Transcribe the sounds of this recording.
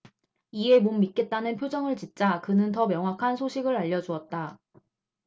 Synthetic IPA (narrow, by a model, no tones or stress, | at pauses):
ie̞momːit̚k͈e̞t̚t͈anɯnpʰjod͡ʑʌŋɯɭt͡ɕit̚t͡ɕ͈akɯnɯnt̬ʌmjʌŋɦwakʰansʰoɕʰiɡɯɾaʎːʌd͡ʑuʌt̚t͈a